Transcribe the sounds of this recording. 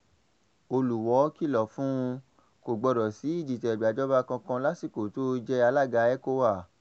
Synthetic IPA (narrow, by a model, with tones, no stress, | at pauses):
o˧lu˨wɔ˨˦ki˦˨lɔ˨fũ˦˧ | ko˨ɡ͡bɔ˧ɾɔ˨si˨˦i˦˨d͡ʒi˨tɛ˨bi˨a˨d͡ʒɔ˦ba˧kã˧kã˧la˦si˦˨ko˨to˦d͡ʒɛ˦a˧la˦˨ɡa˧˦ɛ˦ko˦wa˦˨